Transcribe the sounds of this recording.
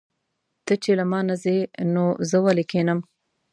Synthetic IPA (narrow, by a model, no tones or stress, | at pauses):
t̪ət͡ʃelamɑnazenozəwalekʰenəm